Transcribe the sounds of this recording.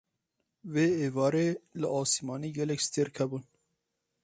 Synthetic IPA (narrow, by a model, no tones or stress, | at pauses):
veːeːvɑːɾeːləʔɑːsimɑːniːɡɛlɛkst̪ʰeɾkʰɛbun